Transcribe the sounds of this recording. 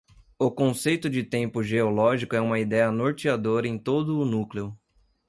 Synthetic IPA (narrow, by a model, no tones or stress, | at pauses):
ʊkõsejt̪ʊd͡ʒɪt̪ẽmpʊʒeolɔʒikʊɛũmɐid̪ɛjɐnoɾt͡ʃiad̪oɾɐẽj̃t̪od̪ʊːnukleʊ